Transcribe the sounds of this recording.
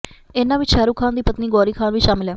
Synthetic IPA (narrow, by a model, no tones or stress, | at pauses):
ɪnãːʋɪt͡ʃʃɛːɾuːkʰaːnd̪iːpət̪niːɡɔːɾiːkʰaːnʋiːʃaːmɪlɦɛː